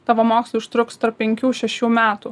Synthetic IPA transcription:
t̪ɑːʋoːmoːksʲlˠiʊʃt̪ɾʊkst̪ɐɾp̚ʲːɛŋʲkʲuːʃʲɛʃʲuːmʲæːt̪uː

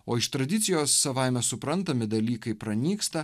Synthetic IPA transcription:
oːɪʃt̪ɾɐd̪ʲɪt̪sʲɪjoːsːɐʋɐɪmʲɛsʊpɾɐnt̪ɐmʲɪd̪ɐlʲiːkɐɪpɾɐnʲiːkst̪ɐ

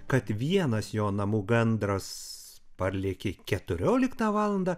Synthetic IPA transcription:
kɐt̪ʋʲiɛnɐsjoːnɐmuːɡɐnd̪ɾɐs | pɐɾʲlʲeːkʲekʲɛt̪ʊɾʲoːlʲɪkt̪ɑːʋɑːlˠɐnd̪ɑː

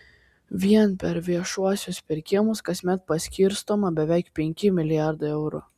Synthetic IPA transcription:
ʋʲiɛnpʲɛɾʋʲiɛʃuɔsʲʊspʲɪɾʲkʲɪmʊskɐsʲmʲɛt̪̚pɐsʲkʲiɾst̪oːmɐbʲɛʋʲɛɪkpʲɛŋʲkʲɪmʲɪlʲɪjɑˑɾd̪ɐɪɛʊɾʊ̰

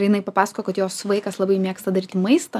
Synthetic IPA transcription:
ɾjɪnɐɪpɐpɑːsɐ̥koːkɐt̪joːsʋɐɪkɐslˠɑbɐɪmʲeɛkst̪ɐd̪ɐɾʲiːt̪ʲɪmɐɪst̪ɐ

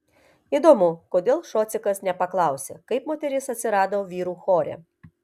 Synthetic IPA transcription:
id̪ɔmʊkɔd̪ʲeːlˠʃɔt̪sʲɪkɐsnʲɛpɐklˠɑˑwsʲɛ̰kɐɪpmɔt̪ʲɛɾʲisɐt̪ʲsʲɪɾɑːd̪ɐwʋʲiːɾuxɔɾʲɛ̰

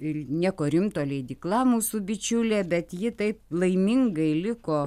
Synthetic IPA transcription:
ɪnʲiɛkoːɾʲɪmt̪oːlʲɛɪd̪ʲiːklˠɑːmuːsʊbʲɪt͡ʃʲulʲeːbʲɛt̪jɪt̪ɐɪplˠɐɪmʲɪŋɡɐɪlʲɪkoː

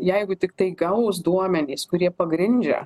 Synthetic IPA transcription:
jɛɪɡʊt̪ʲɪkt̪ɐɪɡɐʊs̬d̪uɔmʲɛnʲiːskʊɾʲiɛpɐɡɾʲɪnʲd͡ʒʲɛ̰

